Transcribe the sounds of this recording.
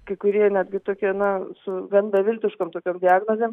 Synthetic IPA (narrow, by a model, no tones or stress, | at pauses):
kɐɪkʊɾʲiɛnʲæːd̪ʲɡʲɪt̪oːkʲiɛnɐsʊɡɐnbʲɛʋʲɪlʲt̪ʲɪʃkomt̪oːkʲoːmd̪ʲɪaːɡnoːzʲeːm